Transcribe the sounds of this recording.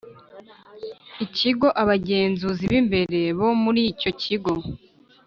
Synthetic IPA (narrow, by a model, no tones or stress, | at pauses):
iciɡo̞ʔaβaɟe̞ːnzuziβimbe̞ɾe̞βo̞muɾico̞ciɡo̞